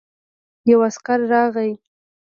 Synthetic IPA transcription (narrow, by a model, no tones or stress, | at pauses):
jawaskaɾːɑɣaj